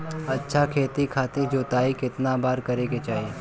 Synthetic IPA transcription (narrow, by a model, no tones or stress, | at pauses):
ɐtːʃʰakʰeːt̪ikʰaːt̪ed͡ʒoːt̪aːikɪt̪nabaːɾkɐɾeːɡet͡ʃaːɦieː